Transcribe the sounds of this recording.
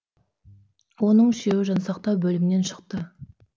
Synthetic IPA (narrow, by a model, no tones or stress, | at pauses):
wo̞nəɴɪʃe̞wɪʒɑnsɑqt̪ɑwbɵlɪmɪne̞nʃə̥q̚t̪ə